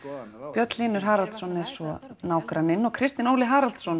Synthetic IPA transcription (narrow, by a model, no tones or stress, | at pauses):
pjœt̪liːnʏɾ̥ɦaːɾal̥t̪sɔnɛɾ̥sɔnaːwkɾanɪnːɔɣkʰɾɪst̪ɪnoːwlɪɦaːɾal̥t̪sɔn